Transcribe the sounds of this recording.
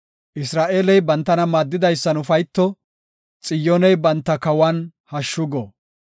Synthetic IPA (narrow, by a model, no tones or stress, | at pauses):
ʔɪsɾaːʔe̞ːlɛjbɐnt̪ːɐnɐmaːd̪ːɪd̪ɐjsːɐnʊfɐjt̪ːɔ | t͡sʼɪjːɔnɛjbɐnt̪ːɐkɐwɐnhɐʃːʊɡɔ